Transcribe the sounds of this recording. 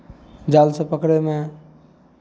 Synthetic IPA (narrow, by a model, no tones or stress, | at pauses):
d͡ʒalsə̃pəkɽeme